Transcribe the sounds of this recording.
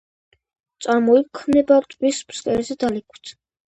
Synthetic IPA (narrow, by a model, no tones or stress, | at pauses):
t̪sʼaɾmɔikʰmnɛbaɾt̪ʼwispskʼɛɾɛzɛd̪alikʰwt̪ʰ